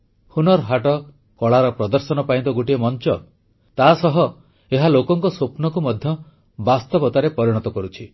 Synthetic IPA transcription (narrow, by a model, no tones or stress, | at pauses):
hunɔɾɦaʈɔ | kɔɭaɾɔpɾɔd̪ɔɾsɔnɔpaĩnt̪ɔɡuʈiemɔnt͡ʃɔ | t̪asɔɦɔ | eɦalokɔŋkɔsopnɔkumɔd̪ʱjɔ | bast̪ɔbɔt̪aɾepɔɾiɽ̃ɔt̪ɔkɔɾut͡ʃʰi